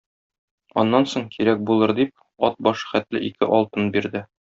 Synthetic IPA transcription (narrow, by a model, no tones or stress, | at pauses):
ɒ̰nːɑnsoɴkʰiɾæk̚bulˠɤɾd̪ip̚ | ɒt̪̚bɒʃχæt̪lɘ̰ʔikɘʔɒlˠt̪ɤnbiɾd̪ɘ